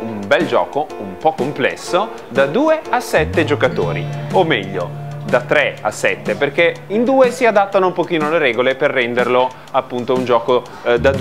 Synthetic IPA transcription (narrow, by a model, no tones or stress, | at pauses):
umbɛld͡ʒɔ̰ːkoumpɔkːomplɛ̰sːo | d̪ad̪uːeasɛt̪ːed͡ʒokat̪o̰ːɾḭomːɛʎːo̰d̪at̪ːɾɛa̰sɛt̪ːeperkeind̪uːesiad̪at̪ːanoumpok̟iːnoleɾɛːɡoleperːɛnd̪erlo | apːunt̪ound͡ʒɔːko | d̪ad̪